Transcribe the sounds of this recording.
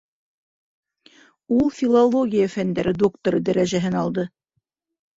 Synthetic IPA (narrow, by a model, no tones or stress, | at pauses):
ulˠfʲilˠolˠoɡʲijafænd̪æɾɘd̪okt̪oɾɤd̪æɾæʒæɦɘnɑlˠd̪ɤ